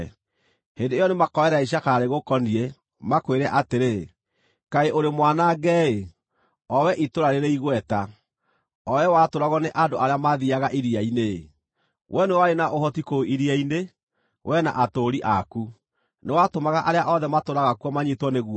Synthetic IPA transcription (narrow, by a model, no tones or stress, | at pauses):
hendeejɔnemakɔɛɾaiɕ̬akaɾeɣokɔniɛ | makweɾɛʔateɾe | kaeʔoɾemwanaɡɛe | ɔwɛʔitoɾaɾeɾeiɣwɛta | ɔɛwatoɾaɣɔneʔandoʔaɾeamaðiaɣaʔiɾiaine | wʔɛnewaɾenaʔohɔtikoʔiɾiaine | wʔɛna̰ʔatoɾiʔaku | newatomaɣaʔaɾeaʔɔðɛmatoɾaɣakwɔmaɲetwɔneɣuɔ